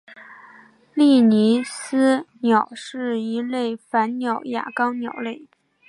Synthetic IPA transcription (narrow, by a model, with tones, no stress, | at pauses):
li˥˩ni˧˥sɹ̩˥njɑ˨˩ʊʂɻ̩˥˩i˧˥le˥˩ɪfa˧˥nnjɑ˨˩ʊja̰˨˩kɑ˥ʊnjɑ˨˩ʊle˥˩ɪ